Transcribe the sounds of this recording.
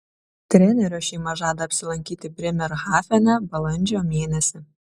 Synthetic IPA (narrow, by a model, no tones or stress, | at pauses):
t̪ʲɾʲɛnʲɛɾʲoːʃʲɛːmɐʒɑːd̪ɐːpʲsʲɪlˠɐŋʲkʲiːt̪ʲɪbʲɾʲɪmʲɛɾɣɑːfʲɛnʲɛbɐlˠɐnʲd͡ʒʲoːmʲeɛnʲɛsʲɪ